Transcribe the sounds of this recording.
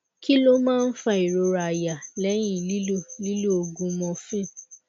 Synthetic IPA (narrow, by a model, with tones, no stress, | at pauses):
ki˦lo˦mãː˦˧n̩˦fa˧˨i˨ɾo˧ɾa˨a˨ja˨lɛ˨˦j̃ĩ˦˨li˦lu˦li˦lu˦o˧ɡũ˧mɔ̃˧fĩ˦˨